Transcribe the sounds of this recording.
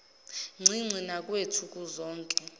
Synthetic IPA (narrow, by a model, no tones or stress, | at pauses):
ŋ͡ǀʱiŋ͡ǀʱinakʼwetʰukʼuzɔːŋkʼɛ